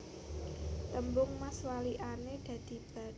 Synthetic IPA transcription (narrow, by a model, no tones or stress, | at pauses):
t̪əmbʊŋmaswaliʔaned̪̥ä̤d̪̥i̤b̥a̤